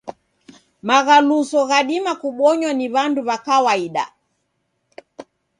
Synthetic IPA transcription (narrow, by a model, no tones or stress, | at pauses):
maɣalusɔɣaɗimakuɓɔɲwaniβanduβakawaiɗa̰